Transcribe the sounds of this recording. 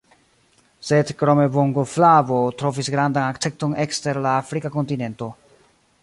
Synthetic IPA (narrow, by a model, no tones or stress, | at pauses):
se̞dkɾo̞me̞voŋɡoflavo̞tɾo̞visɡɾandanakt͡se̞k̚to̞ne̞kste̞ɾlaːfɾikako̞ntine̞nto̞